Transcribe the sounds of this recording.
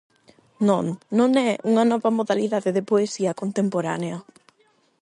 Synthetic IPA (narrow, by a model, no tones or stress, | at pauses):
nõŋːõŋɛuŋɐnɔβɐmoðaliðaðeðɪpoesiɐkont̪empoɾa̰neɐ